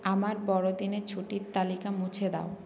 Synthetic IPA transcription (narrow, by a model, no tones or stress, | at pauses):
amaɾbɔɽod̪inet͡ɕʰuʈiɾt̪ːalikamut͡ɕʰed̪a̰o